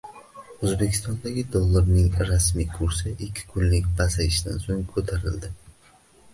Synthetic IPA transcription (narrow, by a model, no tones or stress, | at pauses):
ɵzbe̞kʲʰɪ̥st̪ɒnd̪aɡʲɪd̪ɒlˠːaɾnɪŋɾasmijkʰʊɾsɪʔɪkʲʰːɪ̥kʰʊnlɪkʲbazajɪʃɪd̪ansoŋkʰot̪ʰaɾɪld̪ɪ